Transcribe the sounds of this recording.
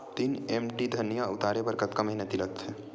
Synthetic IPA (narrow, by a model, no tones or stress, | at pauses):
t̪iːnemʈid̪ʱɐɾnijaʊt̪aːɾebəɾkət̪̚kamɐɦinət̪iləkt̪ʰɛ